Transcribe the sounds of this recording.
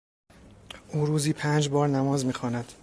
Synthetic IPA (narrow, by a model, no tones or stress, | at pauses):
ʔuːɾuːziːpʰæːnd͡ʒbɒːɾnæmɒːzmiːxɒːnæd̪̥